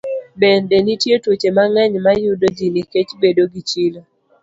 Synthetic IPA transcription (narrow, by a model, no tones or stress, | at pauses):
bɛndɛnitjetwot͡ʃemaŋɛɲmajʊdod͡ʒiniket͡ʃbedoɡit͡ʃilo